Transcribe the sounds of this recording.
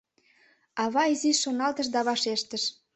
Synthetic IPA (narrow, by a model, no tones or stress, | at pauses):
ɑβɑiziʃʃonɑlt̪ə̆ʃ̬d̪ɑβɑʃeʃt̪ə̆ʃ